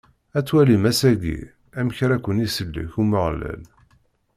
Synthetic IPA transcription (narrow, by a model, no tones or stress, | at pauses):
æt͡sːwælimæsæɡḭ | æmçɾækʷːənisəlːə̰çuməʁlæ̰l